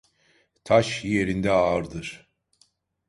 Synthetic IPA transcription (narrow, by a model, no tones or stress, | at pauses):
t̪ʰaʃje̞ɾind̪ɛaɾd̪ɯɾ̥